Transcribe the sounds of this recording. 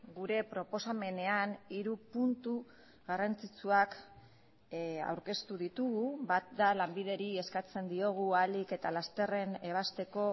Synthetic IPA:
ɡuɾe̞pɾo̞po̞same̞ne̞aniɾupunt̪u | ɣarant͡sit͡suak | a̰wɾke̞st̪uð̞it̪uɣuβat̪̚d̪alambið̞e̞ɾie̞skat͡se̞nd̪io̞ɣ̞ualike̞t̪alast̪e̞re̞ne̞β̞ast̪e̞ko̞

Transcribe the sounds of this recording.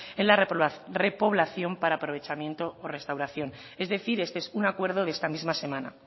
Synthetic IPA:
e̞nlare̞po̞β̞laθjo̞mpaɾaːpɾo̞β̞e̞t͡ʃamjẽ̞nt̪o̞ːre̞st̪awɾaθjo̞n | e̞zðe̞θiɾe̞st̪eesunakwe̞ɾðoðe̞st̪amizmase̞mãna̰

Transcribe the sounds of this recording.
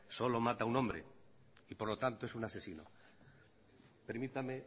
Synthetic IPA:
so̞lo̞mat̪aunõmbɾḛ | ipo̞ɾlo̞t̪ant̪oe̞sunase̞sino̰ | peɾmit̪ame

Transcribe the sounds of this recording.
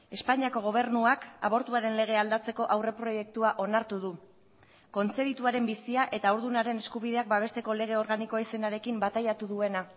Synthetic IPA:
e̞spaɲiako̞ɣ̞o̞β̞e̞ɾnuaka̰βo̞ɾt̪uaɾe̞nle̞ɣ̞e̞ald̪at͡se̞ko̞ʔawre̞pɾo̞je̞k̚t̪uaʔo̞naɾt̪uð̞u | ko̞nt͡se̞βit̪uaɾe̞mbisiaʔe̞t̪aoɾðunaɾe̞ne̞skuβið̞e̞ak̚baβ̞e̞st̪e̞ko̞le̞ɣ̞e̞o̞ɾɣaniko̞ise̞naɾe̞kimbat̪ajat̪uðue̞na

